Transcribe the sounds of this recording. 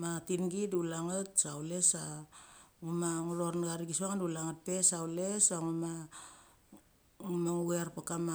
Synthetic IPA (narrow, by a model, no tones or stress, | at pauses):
matinɡidulaŋat̚sawle̞sa | ŋumaŋuɾornaɡaɾiɡisaŋandulaŋat̚pe̞sawle̞saŋuma | ŋumaŋuɡeaɾpakama